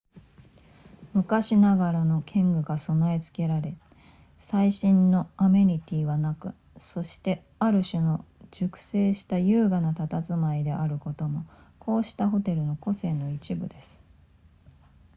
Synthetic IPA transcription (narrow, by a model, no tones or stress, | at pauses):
mɯ̟kaɕinaɡaɾano̞kʰẽ̞ŋɡɯ̟ɡaso̞noe̞t͡sɨ̥ke̞ɾaɾe̞ | saiɕĩnːo̞ame̞ɾʲit̪ʲiːβanakɯ̟ | so̞ɕi̥t̪e̞ | aɾɯ̟ɕɨno̞d͡ʑ̥ɨkɯ̟̥se̞ːɕi̥t̪ajɯ̟ːɡanat̪at̪at͡sɨmaid̪e̞ʔaɾɯ̟ko̞t̪o̞mo̞kʰo̞ːɕi̥t̪aɦo̞t̪e̞ɾɯ̟no̞ko̞se̞ːno̞it͡ɕibɯ̟d̪e̞sɨ̥